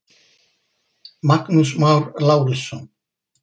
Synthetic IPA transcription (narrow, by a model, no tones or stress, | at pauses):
maknus̬mawɾlaːwɾisːɔn